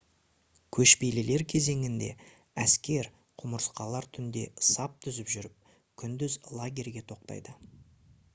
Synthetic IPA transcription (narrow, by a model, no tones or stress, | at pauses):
kʲʰɵʃpejlɪle̞ɾkʲʰe̞ze̞ŋɪnd̪e̞̰ | æskʲe̞ɾ | qʰʊməɾəsqɑlˠɑɾt̪ʰʏnd̪e̞̰sɑp̚t̪ʰʏzɪpʒʏɾɪp̚ | kʲʰʏnd̪ʏzlˠaɡʲe̞rʲɡʲe̞t̪ʰo̞q̚t̪ɑ̰jd̪ə